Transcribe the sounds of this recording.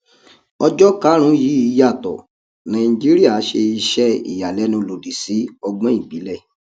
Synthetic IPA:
ɔ˧d͡ʒɔ˦ka˦ɾ̃ũ˨˦ji˨˦i˧˦ja˦˨tɔ̰˨ | nã˨ĩ˧d͡ʒi˦ɾi˦a˦˨˦ʃe˧i˧ʃɛ˦ḭ˨ja˨lɛ˨˦nũ˧lo˨di˨si˨˦ɔ˧ɡ͡bɔ̃˦i˦˨ɡ͡bi˨˦lɛ˦˨

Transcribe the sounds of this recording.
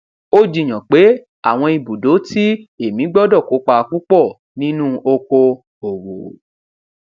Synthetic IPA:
o˦d͡ʒi˦˨j̃ã˨k͡pe˨˦ | a̰˦˨w̃ɔ̃˧i˧bu˨do˨˦ti˦e˦˨mĩ˨˦ɡ͡bɔ˦dɔ˦˨ko˨˦k͡pa˧k͡pu˦k͡pɔ˦˨ | nĩ˦nũ˦ʔo˧ko˧ | o˨wo˨

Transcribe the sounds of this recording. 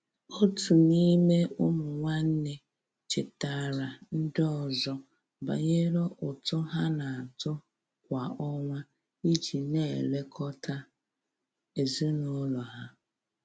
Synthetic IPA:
o˦tu˨ni˦me˦ʊ˦mʊ˨ŋʷa˦n̩˦ne˦ | t͡ʃɪ˨ta˨ɾa˨n̩˦dɔ˦˨zɔ˦ | ba̰˨ɲe˦ɾo˦ʔʊ˨tʊ˦ɦa˦na˨a˨tʊ˦ | kʷa˨ɔ˦ŋʷa˦ | i˦t͡ʃi˨ne˦˨le˦kʰɔ˦ta˦ | e˨zi˦no˦lɔ˨ɦa˦

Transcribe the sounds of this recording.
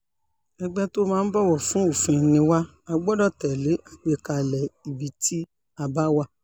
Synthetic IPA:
ɛ˧ɡ͡bɛ˦to˦mãː˧˦n̩˦bɔ˦wɔ˦˨fũ˨˦o˦˨fĩ˧˨nĩ˧wa˦ | a˧ɡ͡bɔ˦dɔ˦˨tɛ˨le˨˦ʔa˨k͡pe˧ka˨˧˨lɛ˨i˨bi˨˦tʰi˦ | a˧ba˦wa˧˨

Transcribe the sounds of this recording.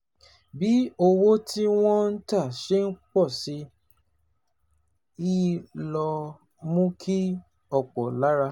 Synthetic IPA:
bi˨˦o˧wo˦ti˦w̃ɔ̃˦n̩˦ta˦˨ʃe˦n̩˦k͡pɔ˦˨si˨˧˦ | i˦lɔ˧ | mũ˦kʰi˦ | ɔ˦˨k͡pɔ˨la˨˦ɾa˦˧

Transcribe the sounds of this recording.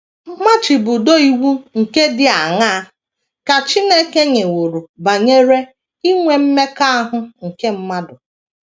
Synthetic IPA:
m̩˦ma˦t͡ʃi˨bʊ˨do˦i˦wu˦ŋ̩˨ke˦dɪ˦a˨ŋa˦ | ka˨t͡ʃi˦ne˦ke˦ɲe˨wo˨ɾu˨ba˨ɲe˦ɾe˦ | i˦ŋʷe˨m̩˦me˦ka˦a˦ɦʊ˦ŋ̩˨ke˦m̩˦ma˦dʊ˨

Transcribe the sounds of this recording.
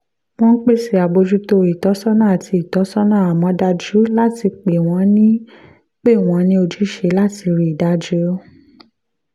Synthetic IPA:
w̃ɔ̃˦k͡pe˦˨si˨a˨bo˧d͡ʒu˦to˧i˨tɔ˨˦sɔ˦nãː˦˨a˨tʰi˧i˨tɔ˨˦sɔ˦nã˦˨a˨mɔ̃˨˦da˧d͡ʒu˨˦la˦ti˧k͡pe˨w̃ɔ̃˨˦nĩ˦ | k͡pe˦˨w̃ɔ̃˨˧˦nĩ˦o˧d͡ʒu˦ʃe˨˦la˦ti˧ɾi˧i˨da˨˦d͡ʒu˦o˦

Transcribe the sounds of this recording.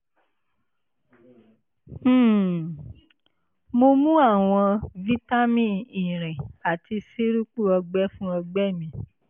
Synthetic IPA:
mo˧mũ˦a˦˨w̃ɔ̃˧vi˦ta˦mĩ˦˨i˨ɾ̃ɛ̃˨a˨ti˧se˦ɾu˦k͡pu˦˨ɔ˧ɡ͡bɛ˦fũ˦ɔ˧ɡ͡bɛ˦˨mĩ˧˦

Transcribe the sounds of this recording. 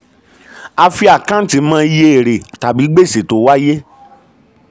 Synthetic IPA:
a˧fi˧a˨kã˦n̩˦tĩ˧˦mãː˧˦˧je˧e˨ɾe˨ta˨bi˨˦ɡ͡be˦˨se˨to˨˦wa˦je˦

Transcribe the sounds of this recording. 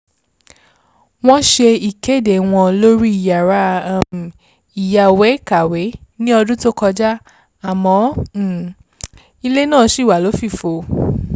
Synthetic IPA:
w̃ɔ̃˦ʃe˧i˨ke˦˨de˨w̃ɔ̃˧lo˦ɾi˦i˦˨ja˨ɾa˦˨ | i˨ja˨wɛ˨˦ka˨we˨˦nĩ˦ɔ˧dũ˦to˦kɔ˧d͡ʒa˦ | a˨mɔ̃˨˦˨ | i˧le˦nãː˦˨˧ʃi˦˨wa˨lo˨˦fi˦˨fo˨˧

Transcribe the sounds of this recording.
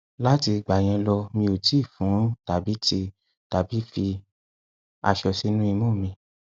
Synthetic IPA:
la˦ti˧ɡ͡ba˨j̃ɛ̃˧lɔ˧mĩ˧o˨ti˦˨fũ˨˦ta˨bi˨˦ti˧ | ta˨bi˨˦fi˧ | a˧ʃɔ˧si˦nũ˦i˧mɔ̃˦˨mĩ˧

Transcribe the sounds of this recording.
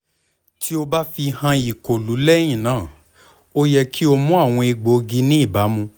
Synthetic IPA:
tʰi˦o˧ba˦fi˧hã˧i˨ko˨lu˨˦lɛ˦j̃ĩ˦˨nãː˨˦˨ | o˦jɛ˧kʰi˦o˧mũ˦a˦˨w̃ɔ̃˧i˧ɡ͡bo˨˦ɡi˧˦nĩ˦i˦˨ba˨˦mũ˧

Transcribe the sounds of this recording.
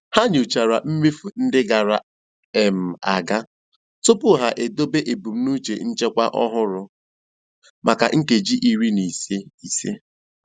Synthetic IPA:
ha˦ɲʊ˨t͡ʃa˨ɾa˨m̩˦mi˦fu˨n̩˦dɪ˦ɡa˨ɾa˨ | e˨m̩˨a˨ɡa˦ | tʊ˦pʊ˦ɦa˨ʔe˨do˦be˦ʔe˨bu˨m̩˦nu˦t͡ʃe˨n̩˦t͡ʃe˦kʷa˦ʔɔ˦ɦʊ˦ɾʊ˨ | mʔa˨ka̰˨ʔŋ̩˦ke˨d͡ʒi˦ʔi˨ɾi˦ni˨se˦i˨sḛ˦

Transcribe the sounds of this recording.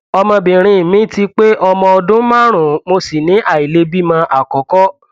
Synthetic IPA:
ɔ˧mɔ̃˧bĩ˨ɾ̃ĩ˧˨mĩ˨˦ti˧k͡pe˦ʔɔ˧mɔ̃˧ɔ˧dũ˦mã˦˨ɾ̃ũ˨mo˧si˨nĩ˨˦ʔa˦˨i˨le˨˧bi˦mã˧ʔa˨kɔ˨˦kɔ˦

